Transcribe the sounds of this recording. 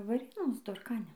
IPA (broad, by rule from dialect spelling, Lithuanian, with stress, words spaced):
ʋɐˈrʲeːnoːs doːrˈkɑːnʲɛ